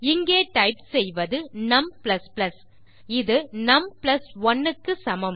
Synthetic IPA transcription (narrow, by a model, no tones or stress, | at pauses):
ɪŋɡeːʈɐɪpsɛjʋɐðɯnɐmplɐsplɐs | ɪðɯnɐmplɐsɔnːɯkːɯsɐmɐm